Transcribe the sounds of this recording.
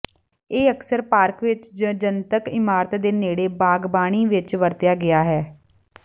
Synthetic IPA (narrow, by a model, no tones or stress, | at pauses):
eːəksəɾpaːɾkʋɪt͡ʃd͡ʒənt̪əkɪmaːɾət̪d̪eːneːɽeːbaːɡbaːɽ̃iːʋɪt͡ʃʋəɾt̪ɪjaːɡɪaːɦɛː